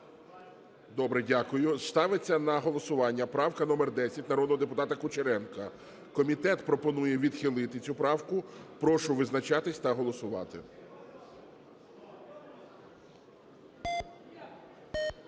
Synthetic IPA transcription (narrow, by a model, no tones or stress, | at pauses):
d̪ɔbɾɛdʲakʊjʊst̪ɑʋet͡sʲːɐnɐɦɔlˠɔsʊʋɑnʲːɐpɾɑwkɐnɔmɛrd̪ɛsʲɐtʲnɐɾɔd̪nɔɦɔd̪epʊt̪ɑt̪ɐkʊt͡ʃeɾɛnkɐ | kɔmʲit̪ɛt̪pɾɔpɔnujɛʋʲid̪xʲilˠɪt̪ɪt͡sʲupɾɑwkʊpɾɔʃʊʋɪznɐt͡ʃɑt̪ɪsʲt̪ɐɦɔlˠɔsʊʋɑ̰t̪ɪ̰